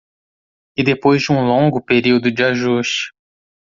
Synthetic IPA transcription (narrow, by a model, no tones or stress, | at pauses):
ɪd̪epojzd͡ʒɪũlõŋɡʊpeɾiwd̪ʊd͡ʒɪaʒuʃt͡ʃɪ̥